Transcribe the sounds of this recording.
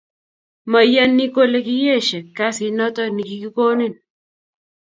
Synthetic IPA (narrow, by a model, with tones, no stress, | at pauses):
ma˨ja˦nːi˦ko˦le˦ki˦je˦˨ʃɛ˨ka˦si˨˦nɔ˦t̪ɔ˦ni˨ki˨ki˦ko˦ni˦˨n